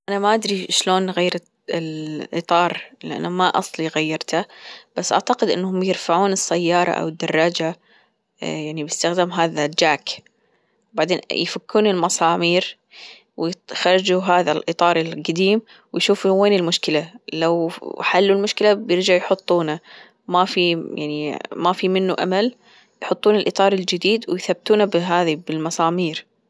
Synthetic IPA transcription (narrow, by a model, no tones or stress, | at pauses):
ʔanamaʔad̪ɾiʃloːnɣajːɾ | lʔɨ̰t̪ˤɑːɾˤlʔa̰nːamaʔɑ̰sˤliɣajːɑɾˤt̪ab̥asːʔa̰ʕt̪aqɪd̪ʔɪ̰nːhʊmjɪɾfaʕuːnɨsːajːɑːɾˤɑ̰ʔa̰wɪd̪ːɑrˤːɑːd͡ʒa | jaʕnibɪst̪axd̪aːmɦaːðad͡ʒaːk | baʕd̪eːnjfakːuːnɪlmɑsˤɑːmiːɾ | wɪxɑɾˤɑd͡ʒuɦaːðalʔɨt̪ˤɑːɾˤɪlɡad̪iːm | wɪjʃuːfuweːnɪlmʊʃkɪlalawħalːulmʊʃkɪlabjɪɾd͡ʒaʕjħʊt̪ˤːuːna | mafija̰ʕnimafimɪnːuʔa̰mal | jħʊt̪ˤːuːnɪlʔɨt̪ˤɑːɾˤɪld͡ʒɪd̪iːd̪wɪjθabːt̪uːnabɦaːðibɪlmɑsˤɑːmiːɾ